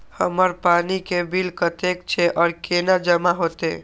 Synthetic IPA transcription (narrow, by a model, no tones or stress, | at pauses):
həməɾpanikebilkət̪ekt͡ʃʰɛʔɔːɾkenad͡ʒəmaɦot̪e